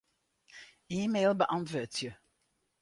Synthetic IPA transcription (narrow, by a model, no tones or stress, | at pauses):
iːmeːlˠbəʔɑntʋoːtjə